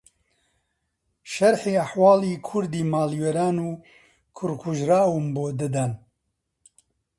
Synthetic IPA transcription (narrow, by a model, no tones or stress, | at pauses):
ʃɐɾħeːɐħwɑːliːkʰʊɾd̪iːmaːliwɛɾaːnuː | kʰʊɾkʰuʒɾaːwumboːd̪ɨd̪ɛn